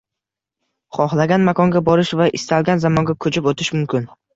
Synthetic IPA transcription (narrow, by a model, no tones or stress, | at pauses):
χɒχlˠaɡʲanmakʰɒŋɡʲabɒɾɪʃvaʔɪst̪ʰalˠɡʲanzamɒŋɡʲakʰɵt͡ʃʰɪpot̪ʰɪʃmʊmkʲʰɪn